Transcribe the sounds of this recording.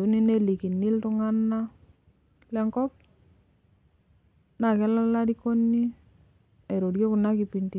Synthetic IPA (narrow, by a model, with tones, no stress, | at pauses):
u˨˦ni˦ne˦li˨ki˨nːi˦ltʊ˦ŋa˦nːa˦ | lɛ˦ŋkɔ˦p̚ | na˨kɛ˦la˦la˦ɾi˦ko˦nːi˦ | e˨ɾo˨djo˦kʊ˨na˦ki˨pi˨nti˨